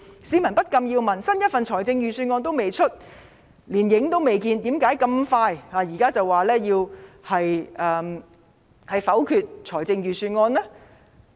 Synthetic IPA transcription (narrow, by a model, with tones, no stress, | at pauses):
siː˨˥mɐ˨˩npɐ˥t̚kɐ˧mjiː˧wmɐ˨˩nsɐ˥njɐ˥t̚fɐ˨nt͡ʃʰɔː˨˩jt͡sɪ˧ŋjyː˨˧syː˧nŋɔː˧nt̪̬o˥wme˨˩jt͡ʃʰɵ˥t̚ | liː˨˩njɪ˨˥ŋt̪o˥wme˨jkiː˧nt̪i˨˥mkaː˨˥jkɐ˧mfaː˧jhaː˨˧jiː˨˩kaː˥t͡sɐ˨wːaː˨lɛː˥jiː˧whɐ˨jʔɛː˨˧m | hɐ˨jfɐ˨˥wkʰyː˧t̚t͡ʃʰɔː˨˩jt͡sɪ˧ŋjyː˨syː˧nŋɔː˧nlaː˥